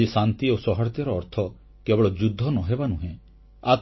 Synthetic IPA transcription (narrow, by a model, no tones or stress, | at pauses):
isant̪iosɔɦɔɾt̪jɔɾɔːɾt̪ʰɔ | kebɔɭɔd͡ʒud̪ʱːɔnɔɦebanuɦẽ | at̪